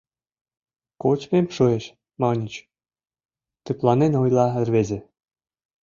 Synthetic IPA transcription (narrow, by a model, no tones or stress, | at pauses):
kot͡ɕpemʃoeʃ | mɑnʲit͡ɕ | t̪yplˠɑnenojlˠɑɘ̆rβezʲĕ